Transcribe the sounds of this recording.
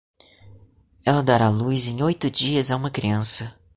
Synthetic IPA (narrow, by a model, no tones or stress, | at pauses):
ɛlɐd̪aɾalujzẽj̃ojt̪ʊd͡ʒiɐzaũmɐkɾiɐ̃sɐ